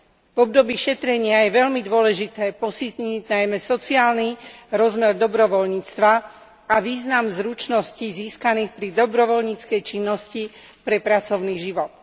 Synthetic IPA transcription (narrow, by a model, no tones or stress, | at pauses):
vɔb̚d̪ɔbiːʃɛt̪ɾɛɲɪajɛʋɛʎmid̪ʊɔlɛʒit̪ɛːpɔsit̪ɲiɟnajmɛsɔt͡siaːlniɾɔzmɛɾd̪ɔbɾɔʋɔlɲiːt͡st̪ʋa | aʋiːznamzɾut͡ʃnɔsciziːskaniːxpɾid̪ɔbɾɔʋɔlɲiːt͡skɛjt͡ʃinːɔsci | pɾɛpɾat͡sɔʊniːʒiʋɔt̪̚